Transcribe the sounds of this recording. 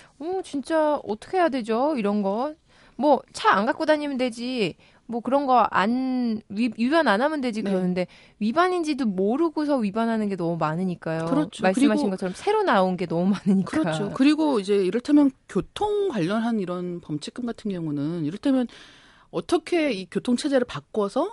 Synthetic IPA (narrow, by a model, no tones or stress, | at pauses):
ʌt͡ɕint͡ɕ͈aʌtʰʌ̥kʰe̞jadwe̞d͡ʑoiɾʌnɡʌt̚ | mwʌt͡ɕʰaaŋɡak͈odaɲimndwe̞d͡ʑi | mwʌkɯɾʌnɡʌa̰nɥijubjʌnanamɯnde̞d͡ʑikɯɾʌnɯnde̞ | ɥibaɲind͡ʑidomoɾɯɡosʰʌɥibanɦanɯnɡe̞nʌmumanɯɲik͈ajoɯɾʌt͡ɕʰmomaɭsɯmɦaɕʰinɡʌt͡ɕʰʌɾʌmsʰe̞ɾonaonɡe̞nʌmumanɯɲikɯɾʌat͡ɕʰokɯɾiɡoid͡ʑe̞iɾɯɭtʰamjʌnkjotʰoŋɡwaʎːʌnɦaniɾʌnpʌmt͡ɕʰi̥k͈ɯmɡatʰɯnɡjʌŋunɯniɾʌɭtʰamjʌn | ʌt͈ʌkʰe̞ikjotʰoŋt͡ɕʰed͡ʑe̞ɾɯɭpak͈wʌsʰʌ